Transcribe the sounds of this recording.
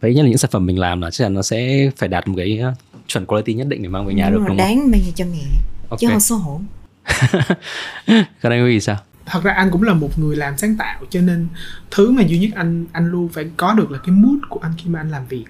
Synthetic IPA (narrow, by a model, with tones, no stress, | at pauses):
və˨˦jə˦˥tlɨ̰˧˥ŋsaː˧˩nfə˧˩mːï˨˩ŋ̟laː˨˩mlaː˨˩t͡ɕa˦˥k̚a˧˩nɔ˨˦sɛ̰˧˥faː˧˩jɗaː˨˩t̚mo˨˩kaː˨˦jt͡ɕwə̰˧˩nkwa˧˦t̪i˧ɲə˦t̚ɗḭ˧˨ŋ̟mi˨˩maː˧ŋvə˨˩ɲaː˨˩ɨ˨˧˦ɗaː˨˦ŋmaː˧jzə˧˩t͡ɕɔ˧mɛ̰˧˨o˧t͡ɕɨ˨˦ɔ˨˧˩so˧˦ɦo˧˩˦ | kɔ˧˦na˧ŋkwi˨˦i˧˨˩saː˧w | t̪ʰə˨˩t̚zaː˧ʔa˧jŋ̟kʊ̰˧˥ŋ͡mlaː˨˩mo˨˩t̚ŋɨ˨˩əjlaː˨˩msaː˨˦ŋt̪a̰ː˧˨wt͡ɕɔ˧ne˧nt̪ʰɨ˨˦maː˨˩zu˧ɲɨ˦˥t̚ʔa˧jŋ̟ʔa˧jŋ̟lu˧faː˧˩jkɔ˨˦ɗɨ˨˩ək̚lːaː˨˩kaː˨˦jmu˦˥t̚ku˧˩əʔa˧jŋ̟xi˧maː˨˩ʔa˧jŋ̟laː˨˩mvi˨˩ək̚